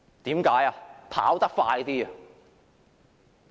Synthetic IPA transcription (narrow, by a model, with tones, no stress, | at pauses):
t̪iː˨˥mkaː˨˥jaː˧pʰa̰ː˨˥wt̪ɐ˥k̚faː˧jt̪iː˥ɐ˨